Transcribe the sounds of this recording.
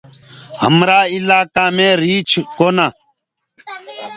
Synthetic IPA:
hə̰mɾaːilaːkaːmẽːɾiːt͡ʃʰkona

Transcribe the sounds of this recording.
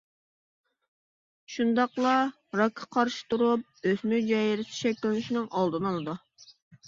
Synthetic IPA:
ʃund̪ɑqlˠɑ | ɾɑkʰːɑ̥qʰɑɾʃi̥t̪uɾup̚øsmyd͡ʒɛjiɾɪsi̥ʃɛkʲlɪnuʃinɨŋʔɑlˠd̪ɨnɑlˠɨd̪u

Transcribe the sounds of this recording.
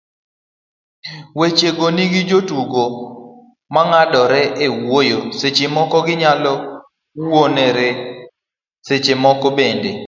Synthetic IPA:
wet͡ʃeɡoniɡɪd͡ʒotuɡo | maŋadɔɾɛʔewojoset͡ʃemɔkɔɡɪɲalɔ | woneɾe | set͡ʃemɔkɔbende

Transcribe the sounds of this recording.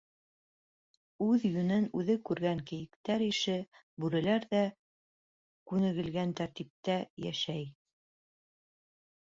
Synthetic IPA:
ʉðjɵ̆nɘnʉðɘkʉɾɡæŋkɘ̆jɘ̆kt̪æɾiʃɘ | bʉɾɘ̆læɾðæ | kʉnɘ̆ɡɘ̆lɡænt̪æɾt̪ip̚t̪æjæ̰ʃæj

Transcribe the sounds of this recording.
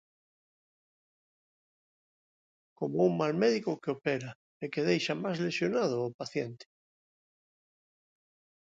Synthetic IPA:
komouŋmalmeðikokeopeɾa | ekeðejʃamazlesjonað̞oapaθjent̪e̥

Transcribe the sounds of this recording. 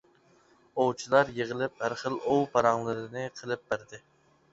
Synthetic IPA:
owt͡ʃʰilˠɑɾjeʁəlˠɪp̚hæɾχəlˠowpʰɑɾɑŋlˠɨɾɨnɪqʰəlˠɪp̚b̥æɾd̪ɪ

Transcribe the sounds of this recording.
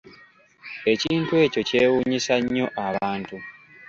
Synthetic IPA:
e̞ciːntue̞ːco̞ce̞ːwuːɲisaɲːo̞ʔaβaːntu

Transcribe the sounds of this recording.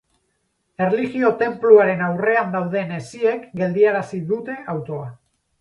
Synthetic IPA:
e̞rliɣio̞t̪e̞mpluaɾe̞nawre̞and̪awðe̞ne̞sie̞kɡe̞ld̪iaɾasiðut̪e̞ʔawt̪o̞a

